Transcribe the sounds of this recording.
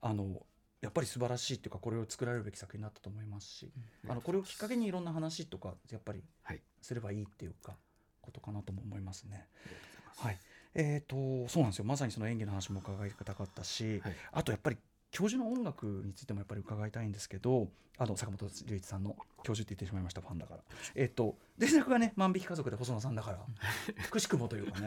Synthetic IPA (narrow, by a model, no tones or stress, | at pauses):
ano̞ | japːaɾʲisɨbaɾaɕiːt̪ːe̞jɯ̟kako̞ɾe̞o̞t͡sɨ̥kɯɾaɾe̞ɾɯ̟be̞kʲi̥sakɯ̟çind̪at̪ːḁt̪oːmo̞imasɨ̥ɕḭa̰no̞ko̞ɾe̞o̞kʲi̥kːake̞ɲ̟iːɾõ̞nːaɦanaɕit̪o̞kajapːaɾʲḭ | sɨɾe̞baiːt̪ːe̞jɯ̟ka | ko̞̥t̪o̞kanat̪o̞mo̞ːmo̞imasɨ̥ne̞ | haieːt̪o̞so̞ːnãnd̪esjo̞mas̬aɲ̟iso̞no̞ẽ̞ŋɡʲino̞ɦanaɕimo̞ɯ̟kaɡait̪ḁkɯ̟̥t̪akat̪ːaɕia̰t̪o̞japːaɾʲi | kʲo̞ːʑɨno̞õŋɡakɯ̟ɲ̟it͡sɨ̥it̪e̞ojapːaɾiɯ̟kaɡait̪aĩnd̪e̞sɨ̥ke̞d̪o̞ | anosakamo̞t̪oɾʲɯ̟it͡sɨ̥sãnːo̞kʲo̞ːʑɨt̪ːeit̪ːe̞ɕimaimaɕi̥t̪aɸãnd̪aka̰ɾa̰e̞ːt̪ːo̞ | d̪eɾakɯ̟ɡane̞mãmbʲikʲi̥kazo̞kɯ̟d̪e̞ɦo̞soːnos̬ãnd̪akaɾakɯ̟ɕi̥kɯ̟mo̞t̪o̞jɯ̟ːkane